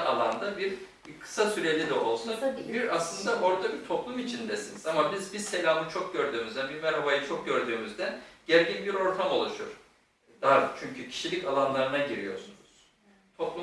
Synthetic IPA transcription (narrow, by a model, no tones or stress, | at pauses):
alˠand̪abiɾ | kʰɯ̥sasyɾe̞lʲid̪ɛo̞lˠsunzbiɾaslˠɯnd̪abo̞ɾd̪abit̪ʰo̞plˠumit͡ʃʰind̪ɛsinizamabizbiɾse̞lʲaːmɯt͡ʃʰok̚ɟø̞ɾd̪yːmyzd̪ænbiɾmæɾɦabajɯt͡ʃʰo̞k̚ɟø̞ɾd̪yːmyzd̪ænɟæɾɟinbiɾo̞ɾt̪ʰamo̞lˠuʃuɾ̥ | d̪aɾd̪t͡ʃʰyɲcʰycʰi̥ʃilʲicalˠanlˠaɾɯnaɟiɾijo̞ɾsunuz̥ | t̪ʰo̞plˠu